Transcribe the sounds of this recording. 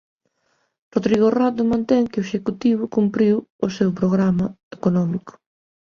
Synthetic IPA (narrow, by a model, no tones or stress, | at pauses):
roðɾiɣorat̪ʊmãnt̪ɛŋkɪoeʃekut̪iβ̞ʊkumpɾiwʊsewpɾoɣɾamɐ | ekonɔmikʊ̥